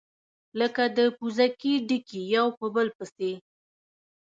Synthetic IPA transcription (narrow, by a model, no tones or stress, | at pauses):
ləkad̪əpuzakiɖikijawpəbəlpəse